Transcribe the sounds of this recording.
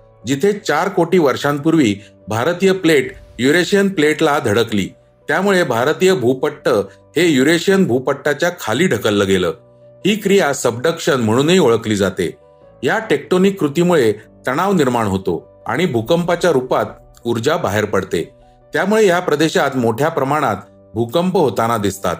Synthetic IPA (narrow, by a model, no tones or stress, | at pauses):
d͡ʑit̪ʰet͡ɕaɾkoʈiːʋəɾʂãmpuɾʋiː | bʱaɾt̪ijəpleʈjuɾeɕijənpleʈlad̪ʱəɽəklḭː | t̪jamuɭebʱaɾt̪ijəbʱupəʈːə | hejuɾeɕijənbʱupəʈːat͡ɕjakʰaliːɖʱəkəlːəɡelə̰ː | hiːkɾijasəbɖəkʂənm̤əɽ̃uːniːoɭəkliːd͡zat̪ḛ | ɦjaʈek̚ʈonikːɾut̪imuɭet̪əɽ̃aʋniɾmaɳ̃ɦot̪o̰ | a̰ɽ̃ibʱukəmpat͡ɕjaɾupat̪ | uɾd͡ʑabaɦeɾpəɽt̪ḛ | t̪jamuɭejapɾəd̪eɕat̪moʈʰjapɾəmaɽ̃at̪ | bʱukəmpəɦot̪anad̪ist̪a̰t̪